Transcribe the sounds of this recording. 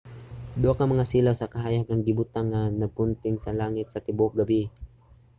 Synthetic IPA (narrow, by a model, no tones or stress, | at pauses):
d̪okɐmɐŋasilawsɐkɐɦaːjɐɡ̚ɐŋɡɪbʊt̪aŋːanɐɡ̚pʊnt̪ɪŋsɐlaːŋɪt̪̚sɐt̪ɪbʊk̚ɡɐbɪ